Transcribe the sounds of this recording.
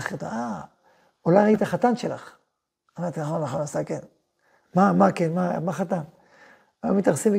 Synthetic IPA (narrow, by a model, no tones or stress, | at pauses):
χet̪a̰a | olajʁait̪aχat̪anʃela̰χ | amaʁt̪inaχonlaχonasaken | mamakenmamaχat̪an | ajomit̪aʁsimi